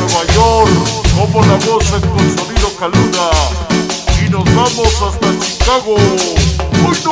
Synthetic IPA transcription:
eβajoɾkomolaβosekonsaβiɾokaluða | inozβamosast̪at͡ʃikaɣo | mũjt̪

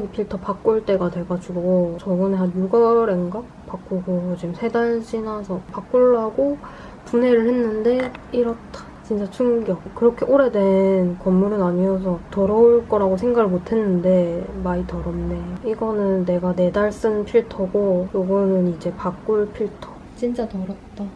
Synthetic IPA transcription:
ɡipʰiɭtʰʌpak͈uɭt͈e̞ɡatwe̞ɭɡad͡ʑuɡot͡ɕʌɡɯneɦanjuɡʌɾe̞ŋɡa | pak͈uɡot͡ɕimsʰe̞daɭd͡ʑinasʰʌpak͈uɭːaɡo | punɦe̞ɾɯɭhe̞nːɯnde̞iɾʌt͈ʰḁ | t͡ɕint͡ɕ͈at͡ɕʰuŋɡjʌkkɯɾʌkʰeʔoɾe̞dwe̞nkʌmːuɾɯnaɲiʌs̬ʰʌtʌɾʌuɭk͈ʌɾaɡosʰe̞ŋɡaɡɯɭmotʰe̞nːɯnde̞maitʌɾʌmne̞joiɡʌnɯnːe̞ɡane̞daɭs͈ɯnpʰiɭtʰʌɡojoɡʌnɯnid͡ʑe̞pak͈uɭpʰiɭtʰʌ̥ | t͡ɕint͡ɕ͈atʌɾʌt̚t͈a

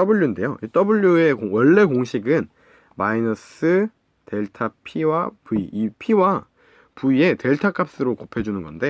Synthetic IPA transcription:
tʌbuʎːuinde̞joʔit͈ʌbuʎːue̞koŋwʌɭːe̞koŋɕʰiɡɯn | mainʌs͈ɯ | te̞ɭtʰapʰiwapuiipʰiwa | puie̞te̞ɭtʰak͈ʰap̚s͈ɯɾokopʰe̞d͡ʑunɯnɡʌnde̞

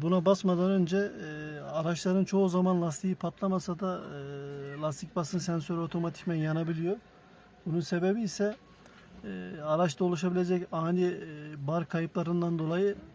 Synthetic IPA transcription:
bunabasmad̪anø̞nd͡ʒɛ | aɾaʃlˠaɾɯnt͡ʃʰo̞uzamanlˠast̪ʰijipʰat̪lˠamasad̪a | lˠast̪ʰicbasɯnsɛnsøɾio̞t̪ʰo̞mat̪ʰi̥cmɛnjanabilʲijo | bununse̞be̞biːsɛ | aɾaʃd̪ʰao̞lˠuʃ̬abilʲe̞d͡ʒɛcaːnʲibaɾkʰajɯplˠaɾɯnd̪and̪o̞lˠajɯ

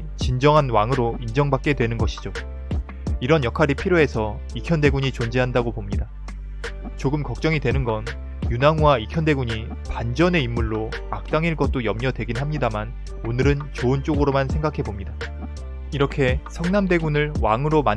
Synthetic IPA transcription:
t͡ɕind͡ʑʌŋɦanwaŋɯɾoind͡ʑʌŋbak͈̚e̞dwe̞nɯnɡʌɕʰid͡ʑo | iɾʌnjʌkʰaɾipʰiɾjoe̞sʰʌ | ikʰjʌnde̞ɡuɲit͡ɕond͡ʑeɦandaɡopomɲida | t͡ɕoɡɯmkʌk̚t͡ɕ͈ʌŋidwe̞nɯnɡʌn | junaŋwaikʰjʌnde̞ɡuɲi | pand͡ʑʌne̞imːuɭːo | ak̚t͈aŋiɭk͈ʌt̚t͈ojʌmɲʌdwe̞ɡinɦamɲidaman | onɯɾɯnt͡ɕoɯnt͡ɕ͈oɡɯɾomansʰe̞ŋɡakʰe̞bomɲida | iɾʌkʰe̞sʰʌŋnamde̞ɡunɯɭwaŋɯɾoman

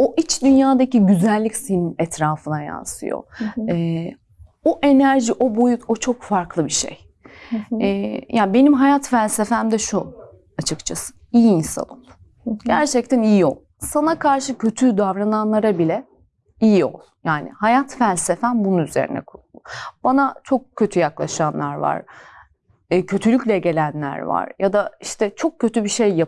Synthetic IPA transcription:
o̞ʔit͡ʃd̪ynjaːd̪aciɟyzælʲːicsinʲmɛt̪ʰɾaːfɯnaja̰nsɯ̰jo̰ɛː | oʔe̞næɾʒiʔo̞bo̞jut̪ʰo̞t͡ʃʰo̞kfaɾklˠɯbiʃḛj | ɛːjʔaːbe̞nimɦajat̪fælʲsefæmd̪ɛʃu | at͡ʃʰɯkt͡ʃʰasɯ̥ | ijiinsa̰no̞̰lˠ | ɟæɾt͡ʃʰɛc̚t̪ʰænijio̞lˠ | sanakʰaɾʃɯcʰø̞t̪ʰyd̪avɾananlˠaɾabilʲɛ | ijio̞̰lˠjaːnɪ̰hajat̪fælʲsefænbununyze̞̰ɾḭnɛ̰kʰuɾulˠd̪ʊb̥anat͡ʃʰo̞k̚cʰʲːø̞t̪ʰyjaklˠaʃanlˠaɾva̰ɾ̥ | cʰø̞t̪ʰylʲycʲlʲɛɟe̞lʲænlʲæ̰ɾva̰ɾ̥jad̪aiʃt̪ʰɛt͡ʃʰo̞k̚cʰːø̞t̪ʰybiʃejːa

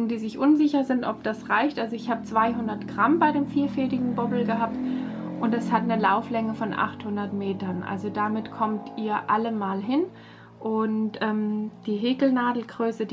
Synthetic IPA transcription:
ŋ̩diːzɪçʔʊnzɪçɐzɪntʔɔp̚d̥asʁaɪçtʔalzoɪçhaːbət͡sv̥aɪɦʊndɐtɡ̥ʁ̥ambaɪdeːmfiːɐfɛːdɪɡŋ̩bɔbl̩ɡəɦaːp̚tʔʊntɛshatnəlaʊflɛŋəfɔnʔa̰χthʊndɐtmeːtɐnʔa̰lzodamɪtkʰɔmtʰʔiːɐʔaləmaːlɦɪn | ʔʊntʔɛːmd̥iːɦeːkl̩naːdl̩ɡ̥ʁøːsəd

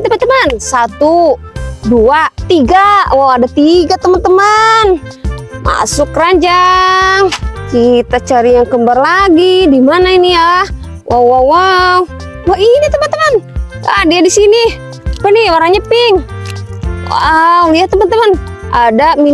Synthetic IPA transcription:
t̪əmant̪əmansat̪u | duat̪iɡawawadat̪iɡat̪əmənt̪əman | ma̰sʊkːəɾaɲd͡ʒaŋkit̪at͡ʃaɾijaŋkəmbarlaɡidimanainiah | wʔawawa | wainit̪əmant̪əmanːdiadisini | pəniwaɾaɲapɪŋ | wa̰wliaht̪əmant̪əmanʔadami

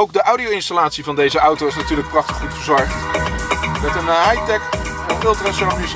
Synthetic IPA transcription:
owɡ̚dəʔawdiowɪnstalaːtsivɑndejzəʔawtowɪsnatyːɹlək̚prɑχtə̥χːutfəɹzɔɹχt | mɛtənajtɛk | əfɪlˠtransɛfiz

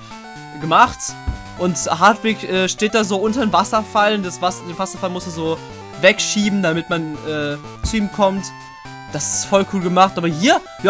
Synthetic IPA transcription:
ɡəmaχt | ʔʊnthaɐtv̥eːkʔɛːʃteːt̚d̥aːzoːʔʊntɐdeːnvasɐfald̥asvasdeːnvasɐfalmʊstmanzoː | vɛkʃiːbm̩damɪtmanʔɛː | t͡suiːmkʰɔmt | d̥asɪ̥stfɔlkʰuːlɡəmaχtʔaːbɐhiːɐ | j

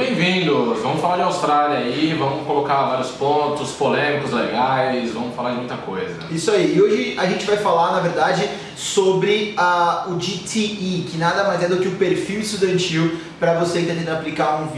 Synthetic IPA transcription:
bẽj̃vĩd̪ʊsvɐ̃mʊsfalaɾd͡ʒɪawst̪ɾaliɐivɐ̃mʊkolokavaɾjʊspõt̪ʊspolẽmikʊzleɡajsvɐ̃mʊfalaɾd͡ʒɪmũj̃t̪ɐkojzɐisʊaiːoʒɪaʒẽnt͡ʃɪvajfalaɾnɐveɾd̪ad͡ʒɪ | sobɾɪaʊd͡ʒit̪ʰeikɪnad̪ɐmajzɛd̪ʊkɪʊpeɾfiwɪst̪ud̪ɐ̃nt͡ʃiw | pɾɐvosẽt̪ẽd̪ẽaplikaɾũv

